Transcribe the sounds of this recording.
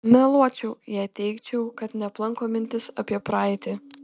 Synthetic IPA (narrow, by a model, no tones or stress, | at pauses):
mʲɛlˠuɔt͡ʃʲɛʊjɛɪt̪ʲɛɪkt͡ʃʲɛʊkɐt̪nʲɛplˠɐŋkoːmʲɪnʲt̪ʲɪsɐpʲiɛpɾɑɪt̪ʲɪ